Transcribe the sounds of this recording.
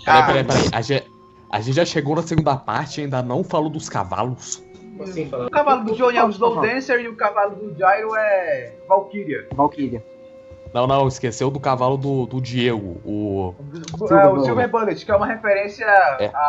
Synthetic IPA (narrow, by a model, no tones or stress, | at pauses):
ɛpɛɾaipɛɾɐiʔa̰ʒẽ | a̰ʒẽt͡ʃɪʒaʃeɡownɐseɡũnd̪ɐpa̰ɾt͡ʃɪaĩnd̪ɐnɐ̃w̃falod̪ʊska̰va̰lʊsĩʊkavalʊd̪ʊd͡ʒionɛ̃zlowd̪ẽseɾiʊkavalʊd̪ʊd͡ʒajɾʊɛvawkiɾiɐvawkiɾɐ | nɐ̃w̃nɐ̃w̃ɪskesewd̪ʊkavalʊd̪ʊd̪ʊd͡ʒieɡʊ̰ʊ | ɛʊsiveɾbɐ̃let͡ʃkɪɛũmɐhefeɾẽsjɐɛ̰a